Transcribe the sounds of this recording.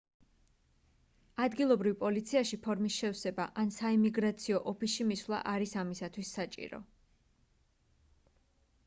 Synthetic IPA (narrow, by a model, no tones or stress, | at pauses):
ad̪ɡilˠɔbɾivpʼɔlit̪sʰiaʃipʰɔɾmisʃɛfsɛbaʔansaimiɡɾat̪sʰiɔʔɔpʰisʃimisvlˠa̰ʔaɾisamisat̪ʰwisːat͡ʃʼḭɾɔ̰